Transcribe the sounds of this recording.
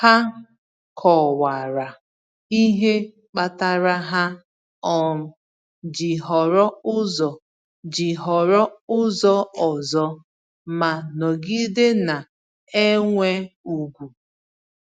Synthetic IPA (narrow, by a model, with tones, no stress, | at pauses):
ha˦ | kʰɔ˨wa˨ɾa˨ | i˦ɦe˦ | k͡pa˦ta˦ɾa˦ɦa˦ | ɔ˦m̩˦ | d͡ʒi˨ɦɔ˨ɾɔ˦ʊ˦zɔ˨ | d͡ʒi˨ɦɔ˨ɾɔ˦ʊ˦zɔ˦ɔ˨zɔ˦ | ma˨nɔ˨ɡi˦de˦na˨ | e˦ŋʷe˦u˨ɡʷu˨